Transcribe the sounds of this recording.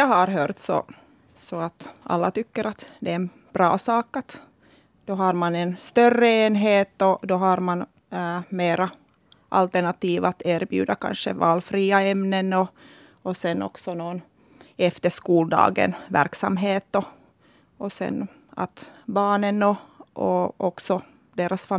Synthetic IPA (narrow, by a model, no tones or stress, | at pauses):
jɑːɦaɾɦøːɾt̪sɔ̰ | sɔat̪a̰lːat̪ʏkːəɾat̪d̪ɛɛn | b̥ɾɑ̰ːsɑːkat̪ | d̪̥ɔɦaɑɾmanɛnst̪œrːəeːnɦeːt̪ɔd̪ɔɦaɾman | meːɾa | ʔa̰lt̪əɳat̪iːvat̪eːɾbjʉ̰ːd̪aka̰nʂəvɑːlfɾiːaɛmnənɔ | ɔsɛnːɔ̰ksɔnoːn | ɛft̪əʂkuːld̪ɑ̰ːɡə̰nvæ̰ɾksa̰mɦeːt̪ɔ | ɔsɛ̰n | a̰t̪bɑːnənɔʔɔ̰ʔɔksɔ | d̪eːɾasfa